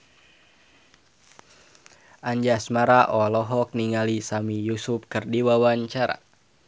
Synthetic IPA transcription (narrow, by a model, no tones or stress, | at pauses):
ʔaɲd͡ʒasmaɾaʔɔlɔɦɔk̚niŋalisamijusup̚kɨrdiwawaɲt͡ʃaɾa̰